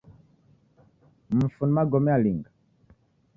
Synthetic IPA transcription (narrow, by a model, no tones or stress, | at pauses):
m̩funmaɡɔmɛaliŋɡa